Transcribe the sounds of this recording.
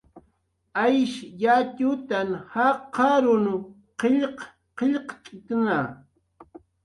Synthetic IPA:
ajʃjat̪ʊt̪anhaqɑɾʊn | qeʎq | qeʎqt͡ʃʼɪt̪na

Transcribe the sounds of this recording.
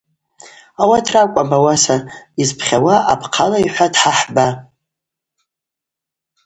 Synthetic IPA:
awatʰrakʷʼabawasaizpʰχʲawaapʰqʰalaiħʷadħaħba

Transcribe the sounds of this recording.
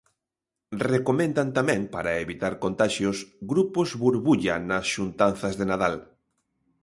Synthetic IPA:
rekomẽnd̪ant̪amɛ̃ŋpaɾaeβit̪aɾkont̪aʃjʊsɡɾupʊzβuɾβuʎanɐsʃunt̪anθɐzðenaðal

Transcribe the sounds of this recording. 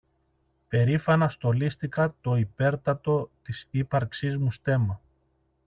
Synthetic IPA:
pe̞ɾifɐnɐst̪o̞list̪ikɐt̪o̞ipe̞ɾt̪ɐt̪o̞t̪isipɐɾksizmust̪e̞mɐ

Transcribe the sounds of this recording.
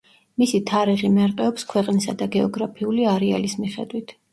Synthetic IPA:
misit̪ʰaɾiʁimaɾt̪ʼɛɔpskʰwɛqʼnisa̰d̪aɡɛɔɡɾapʰiuliaɾɛa̰lismiχɛ̰d̪wit̪ʰ

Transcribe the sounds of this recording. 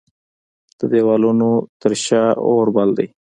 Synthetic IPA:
t̪əd̪eːwaːluːnuːt̪əɾɕaːoːɾbald̪ḭː

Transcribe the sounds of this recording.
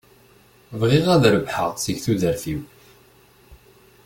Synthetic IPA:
vʁɪʁæðɾəbħə̰ʁsəçθuðəɾfiw

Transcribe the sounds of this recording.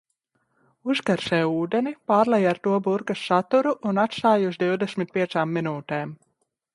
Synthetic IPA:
uskaɾsɛːuːd̪ɛnipaːɾlɛjaɾt̪uɔbuɾkasːat̪uɾuʔunat̪st̪aːjuzd̪iwd̪ɛsʲmit̪̚pʲiɛt̪saːmːinuːt̪eːm

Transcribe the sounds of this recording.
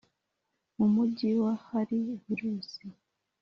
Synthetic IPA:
mumuɟiwahaɾiviɾuːsi

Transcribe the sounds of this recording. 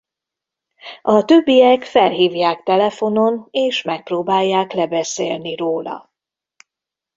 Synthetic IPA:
ɒt̪ø̞bːijɛkfɛlɦiːvjaːkt̪ɛlɛfo̞no̞neːʃmɛk̚proːbaːjːaːklɛbɛseːlniroːlɒ̰

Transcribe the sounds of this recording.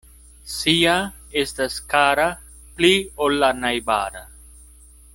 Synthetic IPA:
sia | estaskaɾa | pliolːanajba̰ːɾa

